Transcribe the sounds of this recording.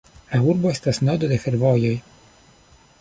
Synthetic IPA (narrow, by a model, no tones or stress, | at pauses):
lauɾbo̞e̞stasnod̪o̞d̪e̞fe̞ɾvo̞jo̞j